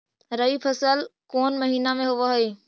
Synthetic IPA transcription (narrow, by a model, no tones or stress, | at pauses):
ɾəipʰəsəlkoːnməɦiːnamẽɦʊʋaɦoiː